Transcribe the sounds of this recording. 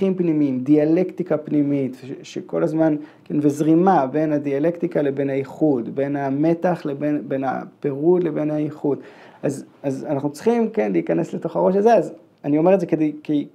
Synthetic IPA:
impnimiimdiale̞ktikapnimitvʃeko̞̰lazmankenvezʁimabe̞nhadiale̞kt̪ikale̞be̞nhaiχudbe̞name̞taχlebenbe̞na̰pe̞ʁudle̞be̞nhaiχudʔazazanaχnut͡si̥χimke̞nliːkane̞sle̞to̞χaʁo̞ʃaze̞az | anio̞meetzekedejki

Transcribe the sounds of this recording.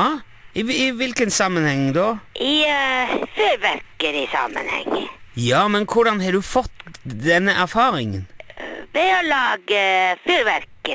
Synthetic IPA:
ɪɪʋɪlkənsɑmːənhɛŋːd̪oːʔɪ | fyːɾʋæɾkəɾɪsɑ̰mə̰nhɛ̰ŋːjɑːmɛnkʰʊɖɑnhɑɖ̪ʉfɔt̪ːd̪ɛnːəʔæɾfɑːɾɪŋənʋɛɔlɑːɡəfyːɾʋæɾkə

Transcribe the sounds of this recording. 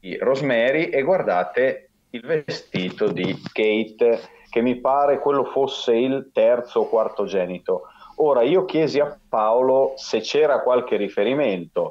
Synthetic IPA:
irozmɛːɾiʔeɡward̪aːt̪e | ilvest̪iːt̪od̪iɡ̥ejt̪ | k̟emːipaːɾekwelːofosːeilt̪ɛrt̪soːkwart̪od͡ʒɛːnit̪ooːɾaiːok̟jɛːziapːaoloset͡ʃːɛːɾakwalk̟erifeɾiment̪o

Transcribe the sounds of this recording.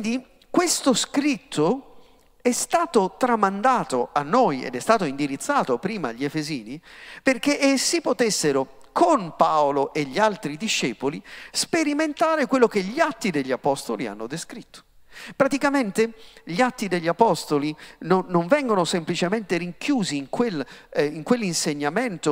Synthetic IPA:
wind̪i | kwest̪oskɾit̪ʰːo | ɛst̪aːt̪ot̪ɾamand̪aːt̪oanːoːjɛ̰d̪ɛst̪aːt̪oind̪iɾit̪sːaːt̪opɾiːmaʎːiefeziːniperkeʔesːipot̪esːeɾʊ | kʰonpaoloʔeʎːialt̪ɾid̪iʃːɛːpolispeɾiment̪aːɾekwelːokeʎiat̪ːid̪eʎːiapɔst̪olia̰nːod̪eskɾit̪ːo̥ | pɾat̪ikament̪eʎiat̪ːid̪eʎːiapɔst̪olinonːoɱvɛŋɡonosemplit͡ʃement̪eɾiŋkjuːziːŋkwelːiŋkwelːinseɲːamɛnt̪o

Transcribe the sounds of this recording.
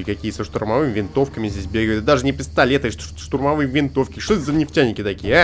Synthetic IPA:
kɐkʲijəsəʂt̪ʊrmɐvɨmʲɪvʲɪnt̪o̞fkəmʲɪzʲdʲes̬ʲbʲeɡəvjɪd̪aʐɨnʲɪpʲɪst̪ɐlʲet̪ɨʂt̪ʊrmɐvɨjvʲɪnt̪ofkʲɪʂt̪ot̪zənʲɪftʲænʲːɪkʲɪt̪ɐkʲijə

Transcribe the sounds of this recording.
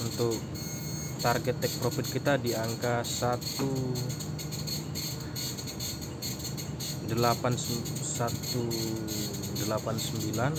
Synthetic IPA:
unt̪ʊk | t̪arɡɛt̪ːɛk̚pɾofɪt̪̚kit̪adiaŋkasat̪u | dəlapanssat̪u | dəlapansəmbilan

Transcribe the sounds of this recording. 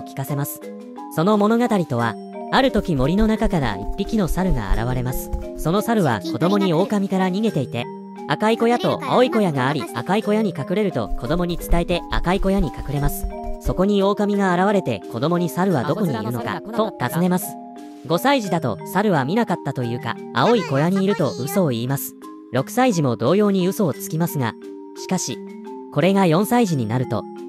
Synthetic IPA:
kʲi̥kase̞masɨ̥ | so̞no̞mo̞no̞ɡat̪aɾʲit̪o̞β̞a̰ | aɾɯ̟t̪o̞kʲimo̞ɾʲino̞nakakaɾa̰ḭpʲːikʲino̞saɾɯ̟ɡa̰a̰ɾa̰β̞aɾe̞masɨ̥so̞no̞saɾɯ̟β̞a̰ko̞d̪o̞mo̞ɲ̟io̞ːkamʲikaɾaɲ̟iɡe̞t̪e̞it̪e̞ | akaiko̞jat̪o̞̰a̰o̞iko̞jaɡaːɾʲia̰kaiko̞jaɲ̟ikakɯ̟ɾe̞ɾɯ̟t̪o̞̰ko̞d̪o̞mo̞ɲ̟it͡sɨ̥t̪aet̪e̞a̰kaiko̞jaɲ̟ikḁkɯ̟ɾe̞masɨ̥so̞ko̞ɲ̟io̞ːkamʲiɡaːɾaβ̞aɾe̞t̪e̞̰ko̞d̪o̞mo̞ɲ̟isaɾɯ̟β̞a̰d̪o̞ko̞ɲ̟ḭːɾɯ̟no̞̰ka̰t̪o̞t̪azɨne̞masɨ̥ | ɡo̞saiʑid̪at̪o̞̰saɾɯ̟βamʲinakat̪ːat̪o̞jɯ̟ːka̰a̰o̞iko̞jaɲ̟iːɾɯ̟t̪o̞ʔɯ̟so̞ːiːmasɨ̥ | ɾo̞kɯ̟̥saiʑimo̞d̪o̞ːjo̞ːɲ̟iɯ̟so̞ːt͡sɨ̥kʲimasɨɡa̰ | ɕi̥kaɕi | ko̞ɾe̞ŋajõ̞ɰ̃saiʑiɲ̟inaɾɯ̟t̪o̞̰

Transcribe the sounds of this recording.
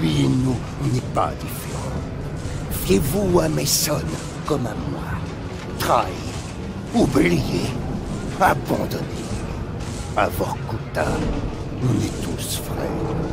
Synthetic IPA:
pinu | nɛpa̰d̪ifeʁɑ̃ | evuamɛsɔl | kɔmamwa | t̪χa | i | ublije | abɑ̃d̪ɔne | avɔʁkut̪ã | nɛt̪usfʁɛ̰

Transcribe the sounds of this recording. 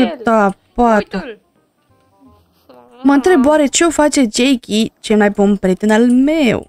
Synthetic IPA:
ɨt̪apat̪u | məɨnt̪ɾe̞bwaɾe̞t͡ʃe̞ofat͡ʃe̞d͡ʒejkʲit͡ʃelmajpunpɾʲijet̪enalmew

